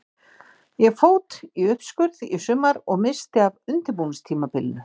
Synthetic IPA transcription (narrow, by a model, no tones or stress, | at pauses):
jɛɣfoːwt̪iʏhpskʏɾðisʏmːaɾɔɣmɪst̪ɪavʏnt̪ɪɾpunst̪ʰiːmapɪlnʏ